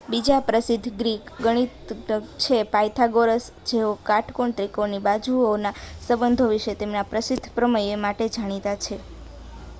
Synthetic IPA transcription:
bid͡ʒapɾəsɪd̪ʱːɡɾikɡəɽ̃it̪t͡ʃʰepajt̪ʰaɡoɾəs | d͡ʒeokaʈʰkoɳt̪ɾikonibad͡ʒuonasəbənd̪ʱoʋiʃet̪emnapɾəsɪd̪ʱpɾəməjemaʈed͡ʒaɽ̃it̪at͡ʃʰe

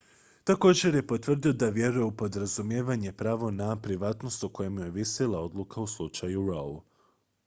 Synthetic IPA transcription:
t̪ako̞ːd͡ʑe̞ɾje̞po̞t̪ʋr̩d̪io̞d̪aʋje̞ɾuje̞upo̞d̪ɾazumjeːʋaɲe̞pɾaːʋo̞napɾiʋaːt̪no̞st̪uko̞jemjujeʋiselˠao̞d̪lˠukauslˠut͡ʃajuɾo̰l

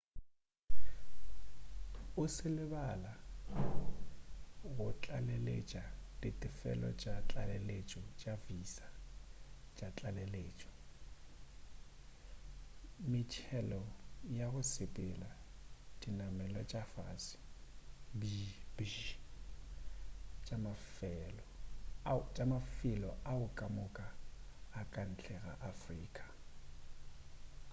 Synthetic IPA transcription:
ʊsɪlɪbala | ɣʊt͡ɬʼalelḛt͡ʃʼad̥itʼɪfɛ̰lɔ̰t͡ʃʼat͡ɬʼalelet͡ʃʼɔt͡ʃʼavisa | t͡ʃʼat͡ɬʼaleleːt͡ʃʼɔ̥ | mɪt͡ʃʰɛlɔjaɣʊsepʼɪla | d̥ʼinamɛlɔt͡ʃʼafasɪ̥ | bibi | t͡ʃʼamafɛlɔ | t͡ʃʼamafɪlɔʔaʊkʼamʊkʼaː | kʼan̩t͡ɬʰʼɛɣa̰ʔafriːkʼḁ

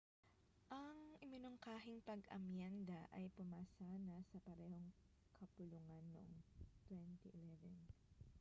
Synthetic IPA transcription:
ʔɐŋʔɪmɪnoŋkaːɦɪŋpɐɡɐ̰mjand̪ɐʔɐ̰jpʊmaːsaːnɐsɐpɐɾɛːho̞ŋ | kʰɐpʊluŋanːo̰ʔoŋt̪wɛnt̪iʔɪlɛvɛn

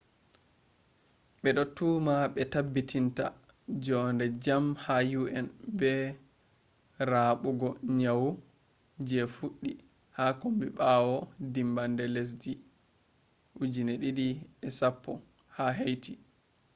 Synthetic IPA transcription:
ɓɛɗɔtːumaɓɛtabːitʰinta̰ | d͡ʒɔndɛd͡ʒamhajuʔɛnbɛ | ɾaɓuɡɔɲawu | d͡ʒɛfuɗːi | hakombiɓawɔdimbandɛles̬d͡ʒi | ʔud͡ʒineɗiɗiɛsapːɔhaɦejti

